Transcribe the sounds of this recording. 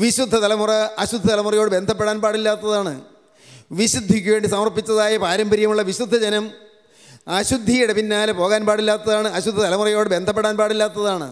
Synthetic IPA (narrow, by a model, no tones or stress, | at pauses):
ʋiɕud̪ʱːɐt̪ɐlɐmurɐɐɕud̪ʱːɐt̪ɐlɐmurɐjoːɽɨbe̞nd̪ʱɐp̬ːeɽaːnpaːɽilːaːt̪ːɐðaːɳɨ | ʋiɕud̪ʱːikʲːuʋe̞ːɳɖisɐmɐrpːit͡ɕːɐðaːjɐpaːɾɐmbɐɾjɐmuɭːɐʋiɕud̪ʱːɐd͡ʑɐnɐm | ɐɕud̪ʱːijuɽepinːaːlpo̞ːɣaːnpaːɽilːaːt̪ːɐðaːɳɨɐɕud̪ʱːɐt̪ɐlɐmurɐjo̞ːɽɨbe̞nd̪ʱɐpːeɽaːnpaːɽilːaːt̪ːɐðaːɳɨ̰